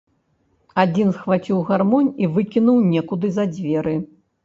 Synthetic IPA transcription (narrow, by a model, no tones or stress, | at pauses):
ad͡zʲinsxvat͡sʲiwɣarmɔnʲivɨkʲinuwnʲɛkud̪ɨzɐd͡zʲvʲɛɾɨ